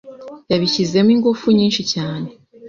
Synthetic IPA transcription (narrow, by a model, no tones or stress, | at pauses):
jaβiçize̞miːŋɡufuɲiːnʃicaːne̞